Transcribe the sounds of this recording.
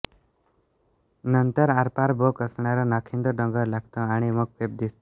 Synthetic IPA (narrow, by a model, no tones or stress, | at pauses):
nənt̪əɾaɾpaɾbokəsɳ̃aɾɔnakʰĩnd̪ɔɖʌ̃ŋɡəɾlaɡt̪ɔ̃aɽ̃imɔk̚peb̚d̪ist̪